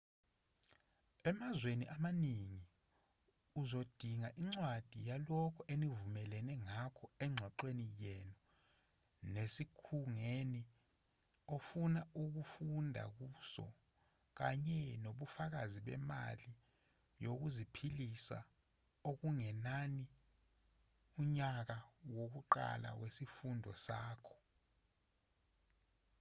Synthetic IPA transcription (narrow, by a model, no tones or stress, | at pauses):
ɛmazweniʔamaniŋi | uzod̥ʱiŋaʔiŋ͡ǀwad̥ʱijalɔkʰɔʔenivumɛlɛnɛŋakʰɔɛŋ͡ǀʱwaǃwenijɛnɔ | nesikʰuŋeni | ofunauk̬ufundʱa̰k̬usɔ̰ | k̬aɲɛnoɓufak̬aziɓɛ̰ma̰li | jok̬uzipʰilisa̰ | ok̬uŋɛnani | uɲak̬awok̬uǃa̰la̰wesifundʱɔ̰saːkʰɔ̥